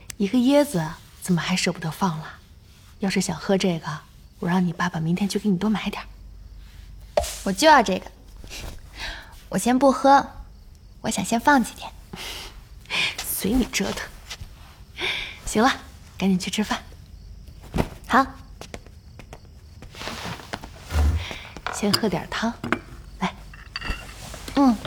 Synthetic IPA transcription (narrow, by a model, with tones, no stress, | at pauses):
i˧˥ɡə˧jɛ˥d͡zɹ̩˨˩ | t͡sə˨˩nmə˦xa˧˥ɪʂɤ˥˩pu˧˩d̪ə˧˥fɑ˥˩ŋlə˩ | jɑ˥˧ʊʂɻ̩˥˩ɕjɑ˨˩ŋxɤ˥ʈ͡ʂɤ˥˩ɡə˩ | wɔ˨˩ɻɑ˥˩ŋni˨˩pa˥˩ba˨˩mi˧˥ŋt̪ʰjɛ˥nt͡ɕʰy˥˩ke˧˥n˨˩t̪wɔ˥ma˧˥ɪt̪jɑ˨˩˦ | wɔ˨˩t͡ɕjo˥˧ʊjɑ˥˧ʈ͡ʂɤ˥˩ɡə˩ | wʔɔ˨˩ɕjɛ˥npu˥˩xɤ˥ | wɔ˧˥ɕjɑ̰˨˩ŋɕjɛ˥nfɑ˥˩ŋt͡ɕi˧˩t̪jɛ˨˩˦n | swe˧˥ɪni˨˩ʈ͡ʂɤ˥d̪ə˨˩ | ɕi˧˥ŋlɐ˧ | ka˧˥n˨˩t͡ɕʰy˥˧ʈ͡ʂʰɻ̩˥fa˥˩n | xɑ˧˥ʊ˥ | ɕjɛ˥nxɤ˥t̪jɑ̰˨˩t̪ʰɑ˥ŋla˧˩ɪ | n̩˥˩